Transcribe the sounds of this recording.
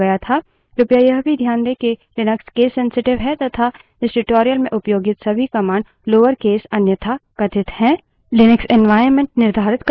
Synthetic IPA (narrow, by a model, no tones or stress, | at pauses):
ɐjat̪ʰa | ɾʊpjajɐɦbʱid̪ʱjaːnd̪ekelɪnəkskeːsːɛ̃nsɪʈɪʋɦɛt̪ɐt̪ʰa | ɪsʈɪʈoːɾijəlmẽʔʊpjoːɡɪt̪sɐbʱikɐmaːɳɖ | loːʋəɾkeːsɐnjət̪ʰakɐt̪ɪt̪hɛ̃ː | lɪnɪksɛnʋaːɪəɾmẽɳʈ̚nɪɾd̪ʱaːɾɪt̪k